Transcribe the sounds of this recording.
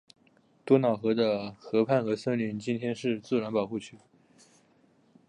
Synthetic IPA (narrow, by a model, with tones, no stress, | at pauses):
t̪wɔ˥nɑ˨˩ʊxɤ˧˥d̪ə˧xɤ˧˥pʰa˥˩nxɤ˧˥sɤ˥nly˥˩nt͡ɕi˥nt̪ʰjɛ˥nʂɻ̩˥˧t͡sɹ̩˥˩ɻa˧˥npɑ˨˩ʊxu˥˩t͡ɕʰy˥˩